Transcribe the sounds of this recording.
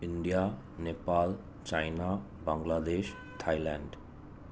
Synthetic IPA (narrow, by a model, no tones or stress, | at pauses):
iɳɖija | nepal | t͡ɕajna | baŋlad̪eʃ | t̪ʰajlɛɳɖ